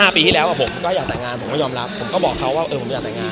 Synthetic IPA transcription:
haː˥˩piː˧t̪ʰi˥˩lɛ˦wa˧˨˩pʰo˩˦mkɔː˥˩˧jaː˨˩k̚t̪ɛː˨˩ŋaː˧npʰo˨˦mɛ˥˩jɔː˧mɾa˦˥pʰːo˩˦mkɔː˥˩bɔː˨˩kʰːa˦˥waː˥˩ʔɤː˧˨˩t̪ɛ˨˩ŋaː˧n

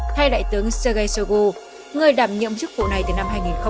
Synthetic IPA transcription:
t̪ʰa˧jɗa̰ː˧˨jt̪ɨ˨˦əŋsəː˧ɣə˧jsə˧ɣo˧ | ŋɨ˨˩əjɗaː˧˩mɲɨ̰˧˨əmt͡ɕɨ˦˥k̚vṵ˧˨na˨˩jt̪ɨː˨˩na˧mɦaː˧jŋi˨˩nxə˧

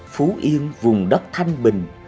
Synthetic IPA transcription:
fu˨˦ʔi˧ənvʊ˨˩ŋ͡mɗə˦˥t̚k͡p̚t̪ʰa˧jŋ̟ɓï˨˩ŋ̟

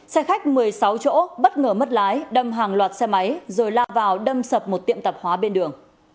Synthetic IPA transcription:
sɛ˧xa˦˥jk̟̚mɨ˨˩əjsa˨˦wt͡ɕo̰˧˥ɓə˦˥t̚ŋəː˧˩mə˦˥t̚laː˨˦jɗə˧mɦaː˨˩ŋlwaː˨˩t̚sɛ˧ma˨˦jzoː˨˩jlaː˧vaː˨˩wɗə˧msə˨˩p̚mo˨˩t̚t̪ḭ˧˨əmt̪ə˨˩p̚hwaː˨˦ɓe˧nɗɨ˨˩əŋ

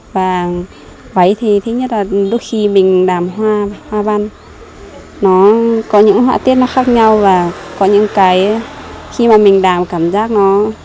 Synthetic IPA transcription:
vaː˨˩ | və˨˦jt̪ʰi˨˩t̪ʰɨ˨˦ɲə˦˥t̚laː˨˩ɗo˨˦jxi˧mï˨˩ŋ̟ɗaː˨˩mɦwaː˧hwaː˧ɓa˧n | nɔ˨˦kɔ˨˦ɲɨ̰˧˥ŋɦwaː˧t̪i˦˥ət̚nɔ˨˦xaː˦˥k̚ɲa˧wvaː˨˩kɔ˨˦ɲɨ̰˧˥ŋkaː˨˦jxi˧maː˨˩mï˨˩ŋ̟ɗaː˨˩mkaː˧˩mzaː˦˥k̚nɔ˨˦

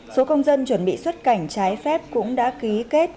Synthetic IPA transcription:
so˨˦kə˧wŋ͡mzə˧nt͡ɕwə˧˩nɓḭ˧˨swə˦˥t̚ka˧˩jŋ̟t͡ɕaː˨˦jfɛ˦˥p̚kʊ̰˧˥ŋ͡mɗa̰ː˧˥ki˨˦ke˦˥t̚

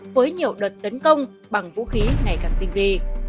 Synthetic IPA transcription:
vəː˨˦jɲi˨˩əwɗə˨˩t̚t̪ə˨˦nkə˧wŋ͡m | ɓa˨˩ŋvṵ˧˥xi˨˦ŋa˨˩jkaː˧˩k̚t̪ï˧˩ŋvi˧˩

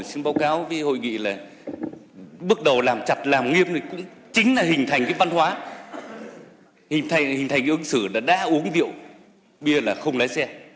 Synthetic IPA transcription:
jsɨ˧nɓaː˨˦wkaː˨˦wvəː˨˦jho̰˧˨jŋḭ˧˨laː˨˩ | ɓɨ˦˥ək̚ɗə˨˩wlaː˨˩mt͡ɕa˨˩t̚laː˨˩mŋi˧əmt̪i˨˩kʊ̰˧˥ŋ͡m | t͡ɕï˨˦ŋ̟laː˨˩ɦï˨˩ŋ̟t̪ʰa˨˩jŋ̟kaː˨˦jva˧nhwaː˨˦ | hï˨˩ŋ̟t̪ʰa˨˩jŋhï˨˩ŋ̟t̪ʰa˨˩ŋʔɨ˨˧˦ŋsɨ˧˩la̰ː˧˩ɗa̰ː˧˥ʔu˨˦əŋzḭ˧˨əw | ɓi˧ə˧laː˨˩xə˧wŋ͡mlaː˨˦jsɛ˧

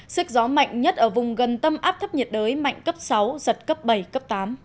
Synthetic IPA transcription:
sɨ˦˥k̚zɔ˨˦ma̰˧˨jŋ̟ɲə˦˥t̚ʔəː˧˩vʊ˨˩ŋ͡mɣə˨˩nt̪ə˧mʔaː˦˥p̚t̪ʰə˦˥p̚ɲə˨˩t̚ɗəː˨˦jma̰˧˨jŋ̟kə˦˥p̚sa˨˦wzə˨˩t̚kə˦˥p̚ɓə˧˩jkə˦˥p̚t̪aː˨˦m

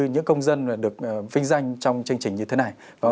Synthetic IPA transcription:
ɲɨ̰˧˥ŋkə˧wŋ͡mzə˧naː˨˩ɗɨ˨˩ək̚ːvï˧ŋ̟za˧jŋ̟t͡ɕɔ˧wŋ͡mt͡ɕɨ˧ŋt͡ɕï˨˩ŋ̟ɲɨ˧t̪ʰe˨˦na˨˩j | vaː˨˩

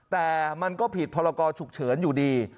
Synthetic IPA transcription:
t̪ɛː˨˩ma˧nkɔː˥˩pʰi˨˩t̪̚pʰɔː˧ɾa˧kɔː˧t͡ɕʰu˨˩k̚t͡ɕʰɤː˩˦njuː˨˩diː˧

